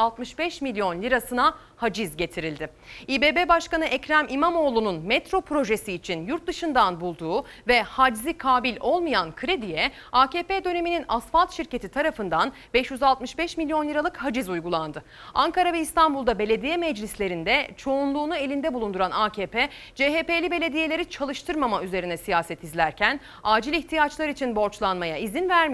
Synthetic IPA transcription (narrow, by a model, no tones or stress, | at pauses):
alˠt̪mɯʃbɛʃmilʲjo̞nlʲiɾasɯna | had͡ʒizɟe̞t̪ʰiɾilʲd̪ɪ | iːbeːbebaʃkanɯʔɛcɾæmʔimamo̞ːlˠununmɛt̪ɾo̞pʰɾo̞ʒe̞siːt͡ʃʰinjuɾt̪̚d̪ɯʃɯnd̪anbulˠd̪uː | vɛhad͡ʒzikʰaːbilʲo̞lˠmajankʰɯɾed̪ijɛ | aːceːped̪ø̞ne̞mininasfalˠt̪ʃiɾce̞t̪ʰit̪ʰaɾafɯnd̪an | bɛʃjyzalˠt̪mɯʃbɛʃmilʲːjonljɯɾalˠɯkhad͡ʒizujɡulˠand̪ɯ | aŋkaɾavɛist̪ʰanbulˠd̪abe̞lʲe̞d̪ijɛmɛd͡ʒlʲislʲe̞ɾind̪ɛt͡ʃʰo̞unlˠuːnue̞lʲind̪ɛbulˠund̪uɾanaːcʰeːpʰɛd͡ʒeːɦepe̞ːlʲibe̞lʲe̞d̪ije̞lʲe̞ɾit͡ʃʰalˠɯʃt̪ʰɯɾmamayze̞ɾinɛsijaːsɛt̪ʰizlʲæɾcʰæn | aːd͡ʒilʲiçt̪ʰijat͡ʃlˠaɾit͡ʃʰinbo̞ɾt͡ʃlˠanmajaizinvæɾmi